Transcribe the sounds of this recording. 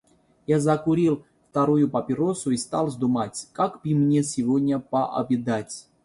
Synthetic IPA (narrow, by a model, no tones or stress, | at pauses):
jazakuɾʲilˠ | ft̪aɾujʊpɐpʲɪɾosʊist̪alˠzd̪umatʲkakpʲimnʲesʲɪvod̪ʲnʲapaʔɐ̰bʲid̪atʲ